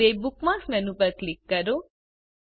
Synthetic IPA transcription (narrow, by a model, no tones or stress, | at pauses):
ebukmaːksmɛnupɐɾklikːɐɾu